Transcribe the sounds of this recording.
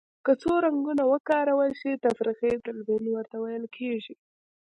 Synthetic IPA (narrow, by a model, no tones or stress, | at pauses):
kət͡soɾaŋɡunawəkɑɾawəʃet̪afɾixebɾɪlbeniwəɾt̪awajəlkʰeʒi